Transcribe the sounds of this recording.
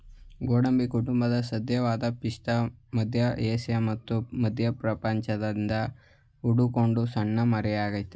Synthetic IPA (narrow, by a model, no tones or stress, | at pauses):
ɡoːɽɐmbikuʈumbɐd̪ɐsɐd̪jɐʋaːd̪ɐpiʂʈ̪ɐmɐd̪ʱjɐʔeːsɐjɐmɐt̪ːumɐd̪ʱjɐpɾɐpɐɲt͡ʃɐd̪ɐnd̪ɐ | uɽukoɳɖusɐɳːɐmɐɾɛjaːɡɐit̪ːe